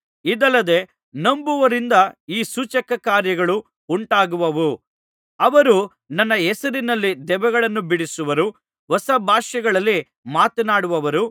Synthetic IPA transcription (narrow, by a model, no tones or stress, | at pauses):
id̪ɐlːɐd̪e̞ː | nɐmbuʋɐɾind̪ɐiːsut͡ʃɐkɐkaːɾjɐɡɐɭu | uɳʈaːɡuʋɐʋu | ɐʋɐɾu | nɐnːɐɛsɐɾinɐlːid̪ɛʋɐɡɐɭɐnːubiɽisuʋɐɾu | ʋɐsɐbʱaːʃɐɡɐɭɐlːi | maːt̪ɐnaːɽuʋɐʋɐɾu